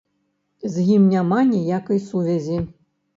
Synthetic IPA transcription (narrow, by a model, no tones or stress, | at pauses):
zjʲimnʲamanʲijakɐjsuvʲɛzʲi